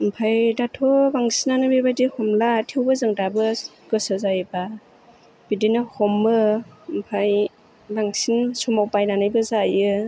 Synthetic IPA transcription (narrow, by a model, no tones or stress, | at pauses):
mpʰajdatʰɔbaŋsinanɯbebajdihɔmlatʰewbɯzɯŋdabɯ | ɡ̥ɯsɯzajba | b̥idinɯhɔmːɯmpʰaj | baŋsinsumawpajnanajbɯzajɯ